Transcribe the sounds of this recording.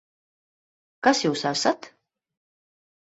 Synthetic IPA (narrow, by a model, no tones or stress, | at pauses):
kasjuːsasat̪